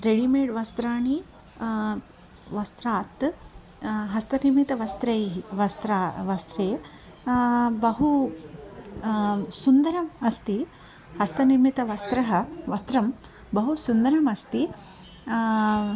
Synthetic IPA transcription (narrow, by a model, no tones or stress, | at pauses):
ɾeɽimeːɖʋɐst̪ɾaːɳi | ʋɐst̪ɾaːt̪ | ɦɐst̪ɐniɾmit̪ɐʋɐst̪ɾɐjɦiʋɐst̪ɾaːʋɐst̪ɾeː | bɐɦu | sund̪ɐɾɐmɐst̪i | hɐst̪ɐniɾmit̪ɐʋɐst̪ɾɐɦɐʋɐst̪ɾɐm | bɐɦusund̪ɐɾɐmɐst̪i